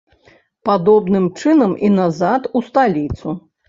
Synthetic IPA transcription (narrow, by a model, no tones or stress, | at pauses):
pad̪ɔbnɨmt͡ʂɨnɐminazat̪ust̪alʲit̪su